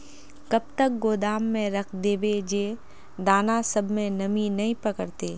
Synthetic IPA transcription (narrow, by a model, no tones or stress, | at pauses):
kɐb̚t̪ək̚ɡoːd̪aːmːẽɾɐkʰd̪eːbed͡ʒeː | d̪aːnasɐbʱmẽnɐminɐɦĩpɐkəɾt̪eː